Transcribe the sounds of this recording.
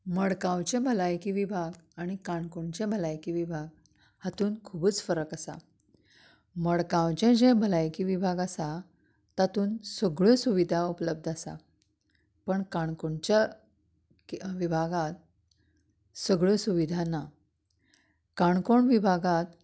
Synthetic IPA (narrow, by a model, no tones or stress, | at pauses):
məɽkãwt͡ɕẽbʱəlajkiʋibʱaɡaɽ̃ikaɳkoɳt͡ɕẽbʱəlajkiʋibʱaɡ̚ | hat̪uːnkʰubət͡sfəɾəkasa̰ | məɽkãwt͡ɕẽd͡ʑɛ̃bʱəlajkiʋibʱaɡasa | t̪at̪uːnsəɡɭõsuʋid̪ʱaupləb̚d̪ʱasa̰ | pəɳkaɳkoɳt͡ɕja | ʋibʱaɡat̪̚ | səɡɭõsuʋid̪ʱana | kaɳkoɳʋibʱaɡat̪